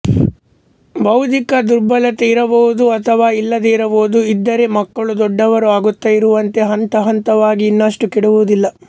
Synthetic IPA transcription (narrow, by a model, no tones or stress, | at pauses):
bɐwt̪ikɐd̪uɾbɐlɐt̪eiɾɐboʋud̪uɐt̪ʰɐʋaːilːɐd̪eiɾɐboːud̪uid̪ːɐɾe̞mɐkːɐɭud̪ɔɖːɐʋɐɾuaːɡut̪ːɐiɾuʋɐnt̪e̞ɦɐnt̪ɐɦɐnt̪ɐʋaːɡiːnːɐʂʈukiɽuʋud̪ilːɐ